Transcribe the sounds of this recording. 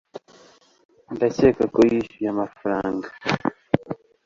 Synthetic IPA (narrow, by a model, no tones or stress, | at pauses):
ndacekakojiʃujamafaɾaːŋɡa